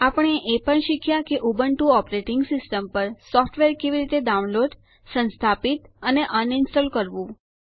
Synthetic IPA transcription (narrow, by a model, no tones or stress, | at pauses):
apəɳ̃eʔepəɳʃikʰjakeʔubəɳʈũɔpɾeʈɪŋɡsɪsʈəmpəɾsɔfʈʰʋeɾkeʋiɾit̪ed̪aunloɖ | sə̃nst̪ʰapit̪əneʔəninsʈɔlkəɾʋũ